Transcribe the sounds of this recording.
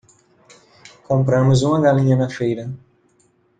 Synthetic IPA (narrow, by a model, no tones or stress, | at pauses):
kõmpɾɐ̃mʊzũmɐɡalĩɲɐnɐfejɾɐ